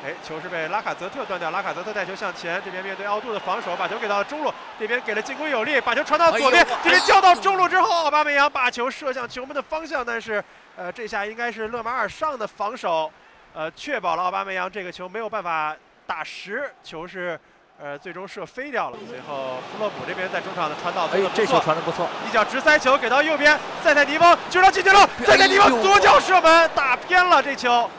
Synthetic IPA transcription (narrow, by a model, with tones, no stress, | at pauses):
e˥˩ɪt͡ɕʰjo˧˥ʊʂɻ̩˥˧pe˥˩ɪla˥kʰa˨˩t͡sɤ˧˥t̪ʰɤ˥˧t̪wnt̪jɑ˥˩ʊla˥kʰa˨˩t͡sɤ˧˥t̪ʰa˥˩t͡ɕʰo˧˥ʊɕjɑ˥˩ŋt͡ɕʰjɛ˧˥nʈ͡ʂɤ˥˩pʰjɛ˥nmjɛ˥˧nt̪we˥˧ɪɑ˥˧ʊt̪u˥˩d̪ə˩fɑ˧˥ŋʂo˨˧˥ʊpa˨˩t͡ɕʰjo˧˥ke˨˩ɪɑ˥˩lə˧ʈ͡ʂʊ˥ŋlu˥˩ | ʈ͡ʂe˥˩pʰjɛ˥nke˨˩ɪlə˦t͡ɕi˥˩ŋkʊ˥ŋjo˨˩ʊli˥˩pa˨˩t͡ɕʰjo˧˥ʊʈ͡ʂʰwnt̪ɑ˥˩wɔ˨˩pjɛ˥nt̪ɤ˥˩jɛ˥nt̪jɑ˥˧ʊt̪ɑ˥˩ʊʈ͡ʂʊ˥ŋlu˥˩ʈ͡ʂɻ̩˥xo˥˧˥ʊɑ˥˩ʊpa˥me˧˥jɑ˧˥ŋpa˨˩t͡ɕʰjo˧˥ʊʂɤ˥˧ɕjɑ˥˩ŋt͡ɕʰo˧˥mə˧˥nd̪ə˨˩fɑ˥ŋɕ̬jɑ˥˧ŋt̪a˥˧nʂɻ̩˥˧ | ə˧ʈ͡ʂɤ˥˧ɕja˥˩i˥ŋka˥ɪʂ̬ɻ̩˥˧lɤ˥˩ma˧˥ə˞˨˩ʂɑ˥˩ŋd̪ə˩fɑ˧˥ŋʂo˨˩˦ʊ | ə˧t͡ɕʰɥɛ˥˩pɑ˨˩ʊlə˦ɑ˥˧ʊpa̰˥me˧˥jɑ˧˥ŋʈ͡ʂɤ˥˩ɡə˩t͡ɕʰjo˧˥ʊme˧˥ɪjo˨˩ʊpa˥˩n˩fa˨˩ | t̪a˨˩ʂɻ̩˧˥t͡ɕʰjo˧˥ʊʂɻ̩˥˩ | ə˧t͡swe˥˩ɪʈ͡ʂʊ˥ŋʂɤ˥˩fe˥ɪt̪jɑ˥˩ʊlə̰˩swɛ˧˥ɪxo˥˩ʊfu˧˥lɤ˥˩pu˨˩ne˥˩pjɛ˥nt͡sa˥˩ɪʈ͡ʂʊ˥ŋʈ͡ʂʰɑ˨˩ŋd̪ə˦ʈ͡ʂʰwa˧˥nt̪ɑ˥˩ʊt͡s̪ʰpu˧˥˧t͡sʰwʰa˧˥ndə˧pu˧˥t͡sʰwɔ˥˩i˥˩t͡ɕjɑ˨˩ʊʈ͡ʂɻ̩˧˥sa˥ɪt͡ɕʰjo˧˥ʊke˨ɪt̪ɑ˥˧ʊjo˥˩ʊpjɛ˥n | t͡sa˥˧ɪt͡sa˥˩ni˧˥fɑ˧˥ŋt͡ɕo˥˧ʊɾt͡ɕi˥˩t͡ɕʰy˧˥lɔ˥˩˥ɪt͡sn˧˥ɑ˥t͡swɔ˥t͡ɕjɑ˥ʊʂɤ˥˩mə˨nt̪a˨˩pʰjɛ˥nlə˨ʈ͡ʂe˥˩t͡ɕʰjo˧˥ʊ